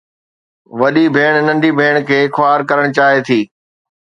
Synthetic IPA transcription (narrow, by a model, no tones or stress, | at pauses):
ʋɐɗibʱeːɽ̃nɐ̃nɖibʱeːɽ̃kʰeːxʊaːɾkɐɾəɽ̃t͡ɕaːɦet̪ʰiː